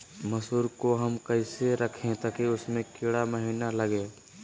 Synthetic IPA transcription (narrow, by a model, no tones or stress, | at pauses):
mɐsuːɾkoɦɐmkəɪseɾɐkʰẽt̪ɐkeʊsmẽkɪɽaməɦiːnalɐɡeː